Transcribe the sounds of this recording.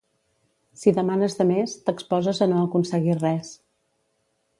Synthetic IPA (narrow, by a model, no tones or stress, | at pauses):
siðəmanəzðəmest̪əkspɔzəzənoəkunsəɣirɛs